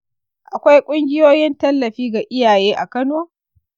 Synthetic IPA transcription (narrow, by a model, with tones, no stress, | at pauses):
ʔa˨kʷa˦jkʷʼʊ˦ŋɡʲɪ˦joː˦jɪ˦ntɐ˦lːɐ˨ɸiː˦ɡa˨ʔɪ˦jaː˨jeː˦ʔa˨kɐ˦noː˦